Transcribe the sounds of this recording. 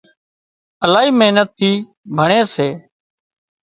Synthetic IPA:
əlaːɦiːmeːnət̪ʰːiː | bʱəɳ̃eːseː

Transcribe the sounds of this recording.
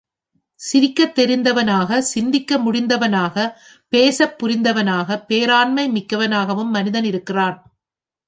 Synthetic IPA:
sɪɾɪkːɐt̪ːɛɾɪnd̪ɐʋɐnaːɣɐsɪnd̪ɪkːɐmʊɽɪnd̪ɐʋɐnaːɣɐ | peːsɐpːʊɾɪnd̪ɐʋɐnaːɣɐpːeːɾaːnmɐɪmɪkːɐʋɐnaːɣɐʋɯmːɐnɪðɐnɪɾɯkːɪraːn

